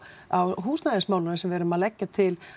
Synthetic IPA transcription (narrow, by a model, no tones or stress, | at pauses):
awɦuːsnaðɪnsmawlʏnʏsɛmvɛːɾʏmaðlɛcːat̪ʰɪl